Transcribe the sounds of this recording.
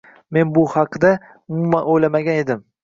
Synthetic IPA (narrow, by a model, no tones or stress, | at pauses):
me̞nbʊhɑqd̪a | ʊmumanojlamaɡʲane̞d̪ɪm